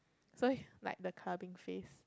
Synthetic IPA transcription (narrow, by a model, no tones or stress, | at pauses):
sola̰ɪk̚dəkʰlabɪ̃ŋfes